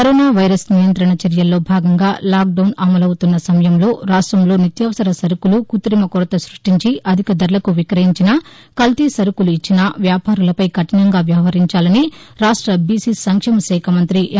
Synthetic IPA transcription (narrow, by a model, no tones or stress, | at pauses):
kɐɾoːnaːʋɐjɾɐsnijɐnt̪ɾɐɳɐt͡ʃɐɾjɐlːo̞ːbʱaːɡɐŋɡaːlaːk̚ɖɐwnɐmɐlɐwut̪unːɐsɐmɐjɐmlo̞ːɾaːʂʈɾɐmlo̞ːnit̪jɐːʋɐsɐɾɐsɐɾukulukut̪ɾimɐkuɾɐt̪ɐsɾuʂʈiɲt͡ʃiʔɐd̪ʱikɐd̪ɐɾlɐkuʋikɾɐɦiɲt͡ʃinɐ | kɐlt̪isɐɾukuluit͡ʃːinɐʋjaːpaːɾulɐpɐjkɐʈɐnɐŋɡaːʋjɐʋɐɦɐɾiɲt͡ʃaːlɐniɾaːʂʈɾɐbisisɐŋkʂɛmɐsɛːkʰɐmɐnt̪ɾi